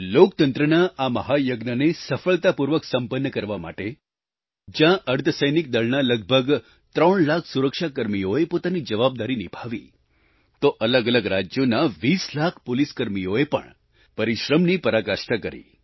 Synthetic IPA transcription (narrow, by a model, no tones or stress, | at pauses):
lokt̪ənt̪ɾənaʔaməɦajəɡnənesəfəɭt̪apuɾʋəksəmpənːəkəɾʋama̰ʈe | d͡ʒjãʔəɾt̪ʰəsəjnik̚d̪əɭnaləɡ̚bʱəɡ | t̪ɾəɳlakʰsuɾəkʃakəɾmijoepot̪anid͡ʒəʋab̚d̪aɾinibʱaʋḭ | t̪oʔələɡələɡɾad͡ʒjonaʋislakʰpoliskəɾmijoepə̰ɳ | pəɾiʃɾəmnipəɾakaʃʈəkəɾḭ